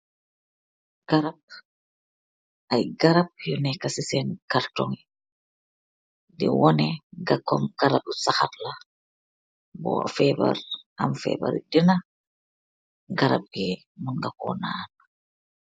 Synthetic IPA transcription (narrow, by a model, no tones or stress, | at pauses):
ɡ̥aɾab̚ | ʔajɡaɾab̚jɔnɛkasisɛnkaɾtɔŋɛ | dɛ̰wɔnɛɡakɔmɡaɾabusaxatla | bɔ̰fɛba̰ɾʔa̰mfɛ̰ba̰ɾdina | ɡaɾa̰b̚ɡɛ | munɡakɔ̰nana